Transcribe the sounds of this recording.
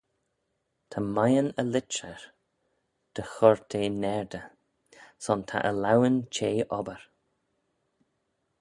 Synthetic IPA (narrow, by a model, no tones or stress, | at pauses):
t̪ʰamajənəlɪt͡ʃəɹ | d̪̥əxɔɹt̪ʰeːnɛɹd̪ə | sɔnt̪ʰa̰ʔəlawənt͡ʃʰeːʔɔbəɹ